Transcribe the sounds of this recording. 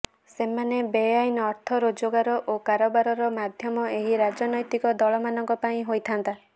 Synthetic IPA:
semanebejajnɔɾt̪ʰɔɾod͡ʒoɡaɾɔʔokaɾɔbaɾɔɾɔmad̪ʱjɔmɔeɦiɾad͡ʒɔnɔjt̪ikɔd̪ɔɭɔmanɔŋkɔpaĩɦojt̪ʰant̪a

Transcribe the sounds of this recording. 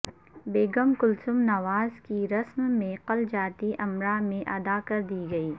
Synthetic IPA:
beːɡɐmkʊlsʊmnɐʋaːzkiɾɐsmːẽqɐld͡ʒaːt̪iʔɐmɾamẽʔɐd̪aːkɐɾd̪iːɡɐiː

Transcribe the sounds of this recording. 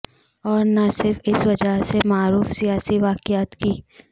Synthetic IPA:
ɔːɾnasɪɾfɪsʋɐd͡ʒəɦsemaːɾuːfsijaːsiʋaːkɪjaːt̪kiː

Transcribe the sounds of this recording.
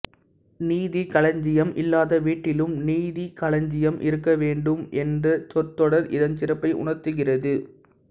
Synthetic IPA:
niːðikɐlɐɲd͡ʒɪjɐmʔɪlːaːðɐʋiːʈːɪlɯmniːðikɐɭɐɲd͡ʒɪjɐmʔɪɾɯkːɐʋeːɳɖɯmʔɛndrɐt͡ʃɔt̪ːɔɽɐɾʔɪðɐnt͡ʃɪrɐpːɐɪʔʊ̰ɳɐɾt̪ɯɣɪrɐðɯ

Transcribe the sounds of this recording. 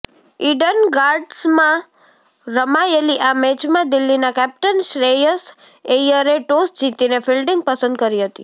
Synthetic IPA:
iɖənɡaɾɖsmã | ɾəmaeliʔamɛt͡ʃmãd̪ilːinakɛp̚ʈənʃɾejəs | ejəɾeʈosd͡ʒit̪inefilɖiŋɡ̚pəsə̃nd̪̚kəɾiɦət̪ḭ

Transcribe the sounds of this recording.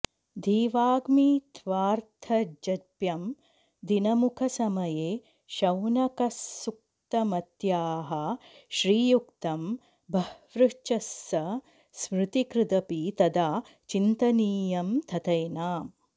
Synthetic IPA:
d̪ʱiːʋaːɡmit̪ʰʋaːɾt̪ʰɐd͡ʒɐpjɐm | d̪inɐmukʰɐsɐmɐjeː | ʃɐwnɐkɐsːuk̚ | t̪ɐmɐt̪jaːɦɐʃɾiːjukt̪ɐm | bʱɐʋɾuʃt͡ʃɐsːɐ | smɾut̪ikɾɪd̪ɐpit̪ɐd̪aː | t͡ʃint̪ɐniːjɐmt̪ʰɐt̪ɐjnaːm

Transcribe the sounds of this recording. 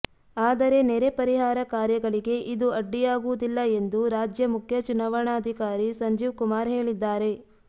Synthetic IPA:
aːd̪ɐɾe̞neɾe̞pɐɾiɦaːɾɐkaːɾjɐɡɐɭiɡe̞ʔid̪uɐɖːijaːɡuʋud̪ilːɐe̞nd̪uɾaːd͡ʒjɐmukʰjɐt͡ʃunaːʋɐɳaːɐd̪ʱikaːɾisɐɲd͡ʒiːʋkumaːɾɦe̞ːɭid̪ːaːɾe̞

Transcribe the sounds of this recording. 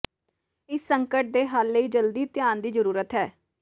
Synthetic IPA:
ɪsːəŋkəʈ̚d̪eːɦaːlːəiːd͡ʒəld̪iːt̪ɪjaːnd̪iːzəɾuːɾət̪ɦɛː

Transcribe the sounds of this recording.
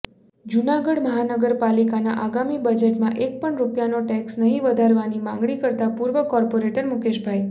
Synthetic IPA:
d͡ʒunaɡəɽməɦanəɡəɾpalikanaʔaɡamibəd͡ʒeʈmãʔek̚pəɳɾupjanoʈɛksnəɦĩʋəd̪ʱaɾʋanimãŋɡɭikəɾt̪apuɾʋəkɔɾpoɾeʈəɾmukeʃbʱaj

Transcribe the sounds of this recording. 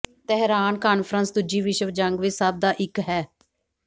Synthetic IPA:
t̪ɛɦɾaːnkaːnpʰɾənsd̪ʊd͡ʒiːʋɪʃəʋd͡ʒəŋɡʋɪsab̚d̪aːʔɪkɦɛː

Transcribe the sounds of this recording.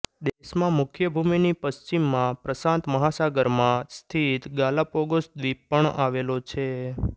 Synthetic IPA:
d̪eʃmãmʊkʰjəbʱuminipəst͡ʃimːãpɾəsãnt̪məɦasaɡəɾmãst̪ʰit̪ɡaləpoɡosd̪ʋipəɳaʋelot͡ʃʰe

